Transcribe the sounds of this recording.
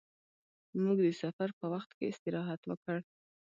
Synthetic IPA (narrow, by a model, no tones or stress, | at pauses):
muɡd̪əsafaɾpəwaxt̪keɪst̪ɪɾɑɦat̪wəkəɽ